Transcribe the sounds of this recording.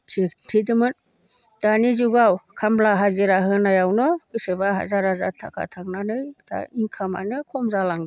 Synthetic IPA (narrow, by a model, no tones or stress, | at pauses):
tʰitʰidɯmɯn | d̥anizuɡawkʰamblaɦaɡiɾaɦɯnajawnɔkɯsebaɦa̰zaɾaza̰tʰːa̰kʰa̰tʰaŋnanɯjtʰa̰iŋkʰama̰nɯkʰɔmzalaŋ